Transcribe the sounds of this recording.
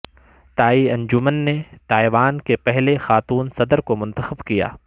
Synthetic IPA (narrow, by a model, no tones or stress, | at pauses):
t̪aːiɐ̃ɲd͡ʒʊmənːet̪aːiʋaːnkepɛɦlexaːt̪uːnsɐd̪əɾkomʊ̃nt̪əxəbkija̰ː